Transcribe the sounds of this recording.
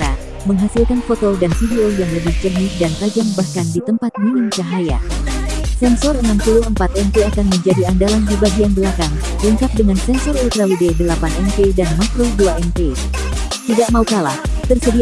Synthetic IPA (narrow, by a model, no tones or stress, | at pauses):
ɾa | məŋɦasilkanfɔt̪ɔldansidiojaŋləbɪht͡ʃərɦik̚dant̪ad͡ʒambahkandit̪əmpat̪̚minɪmt͡ʃaɦaja̰ | sɛnsɔrənamp̪uluɦəmpat̪ɛnt̪uakanməɲd͡ʒadiandalanpəbaɡianbəlakaŋ | ləŋkap̚dəŋansɛnsɔrult̪ɾawidedəlapanɛnpedanmakɾoduaɛnpe | t̪idaʔ̚maukalaht̪ərsədi